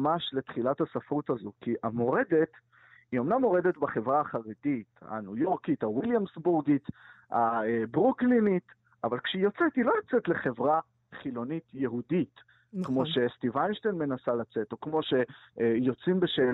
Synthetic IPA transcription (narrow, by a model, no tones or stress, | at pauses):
maʃle̞t̪χilathasafʁutazokiʔamo̞ʁede̞t | io̞mnamːo̞ʁedetbaχe̞vʁaːχaʁedit̪a̰nujoʁkitawiljamsbuʁɡitabʁuklinit | ʔa̰valkʃeijo̞t͡setilo̞jot͡setle̞χe̞vʁa | χilo̞nitjeɦudit | kmmo̞ʃe̞st̪ivajnʃtenme̞nasalat͡seto̞kmo̞ʃe̞jo̞t͡simbeʃeː